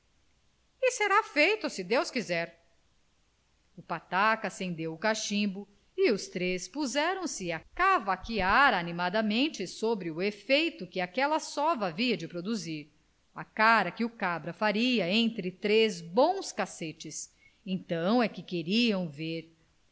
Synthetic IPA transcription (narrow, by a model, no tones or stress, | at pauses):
ɪseɾafejt̪ʊsɪd̪ewskizɛɾ | ʊpat̪akɐsẽnd̪ewʊkaʃĩbʊ | ɪʊst̪ɾespuzɛɾɐ̃w̃sɪakavakiaɾanimad̪ɐmẽnt͡ʃɪsobɾɪʊefejt̪ʊkɪakɛlɐsɔvɐaviɐd͡ʒɪpɾod̪uziɾ | akaɾɐkɪʊkabɾɐfaɾiɐẽnt̪ɾɪt̪ɾezbõw̃skaset͡ʃɪs | ẽt̪ɐ̃w̃ɛkɪkeɾiɐ̃w̃veɾ